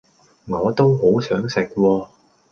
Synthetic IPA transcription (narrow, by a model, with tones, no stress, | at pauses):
ŋɔː˨˧t̪o˥wɦo˨˥wsœː˨˥ŋsɪ˨k̚wɔː˧